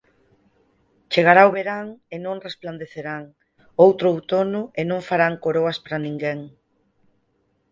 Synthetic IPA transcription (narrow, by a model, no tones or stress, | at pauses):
t͡ʃeɣ̞aɾaoβeɾaŋenõŋrespland̪eθeɾaŋ | owt̪ɾʊwt̪onʊenõŋfaɾaŋkoɾoɐspaɾanĩŋɡeŋ